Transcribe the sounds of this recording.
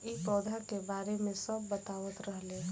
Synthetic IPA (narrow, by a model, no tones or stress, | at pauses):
ibɔːd̪ʱakebaːɾemẽsəbːət̪aːʋət̪ɾəɦle